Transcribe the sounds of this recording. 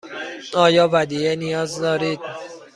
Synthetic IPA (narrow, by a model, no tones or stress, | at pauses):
ɒːjɒːvæd̪iːjenijɒːzd̪ɒːɾiːd̪̚